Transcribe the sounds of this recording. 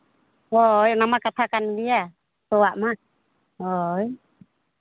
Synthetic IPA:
hojnamakat̪ʰakandia | sɔwaʔma | oj

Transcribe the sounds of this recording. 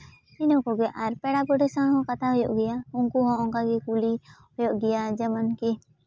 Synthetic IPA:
inɔkɔɡɛʔaɾpɛɽabɔɖɛsãɦɔ̃kat̪ʰaɦɔjɔʔɡɛjauŋkuɦɔ̃ɔ̃ŋkaɡɛkulihɔjɔʔɡɛjad͡ʒəmənki

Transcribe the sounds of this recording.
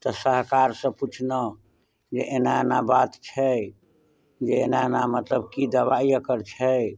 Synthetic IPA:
t̪ɔsəɦkaɾsə̃put͡ʃʰnə | d͡ʒeʔenaenabat̪t͡ʃʰɛ | d͡ʒeenaenamət̪ləbkid̪əβaijəkəɾt͡ʃʰɛ

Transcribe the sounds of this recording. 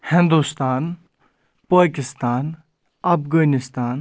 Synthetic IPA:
hɪ̃nd̪ust̪aːn | pəːkɪst̪aːn | ɐpɡənist̪aːn

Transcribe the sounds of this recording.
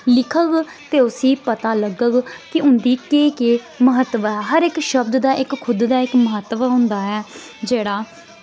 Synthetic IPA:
lɪkʰəɡ | t̪eːʊsĩːpət̪aːləɡəɡkɪʊnd̪iːkeːkeː | məɦət̪ːʋɦɛːɦəɾɪkʃəbd̪d̪aːʔɪkkʰːʊd̪d̪aːɪkməɦət̪ːʋəɦʊ̃nd̪aːɛː | d͡ʒeːɽaː

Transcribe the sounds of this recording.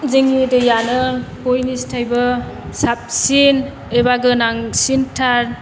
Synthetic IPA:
zeŋidɯjanɯkojnistʰajbɯ | sap̚sin | ebaɡɯnaŋsintʰaɾ

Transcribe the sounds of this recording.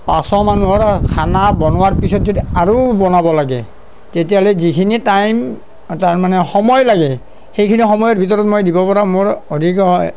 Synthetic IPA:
pasɔmanuɔɹkʰanabɔnʊwaɹpisɔtzodiaɹubɔnabɔlaɡɛ̰ | tetijalɛzikʰinitajm | taɹmanɛxɔmɔjlaɡɛ | xejkʰinixɔmɔjɔtbʱitɔɹɔtmojdibɔpɔɹamoɹodʱikɔ

